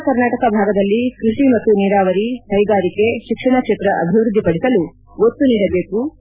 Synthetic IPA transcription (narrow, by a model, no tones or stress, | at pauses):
kɐɾnaːʈɐkɐbʱaːɡɐd̪ɐlːikɾuʂimɐt̪ːuniːɾaːʋɐɾit̪ɐjɡaːɾikeʃikʂɐɳɐkʃet̪ɾɐʔɐ̰bʱiʋɾud̪ʱːipɐɽisɐlu | ot̪ːuniːɽɐbe̞ːku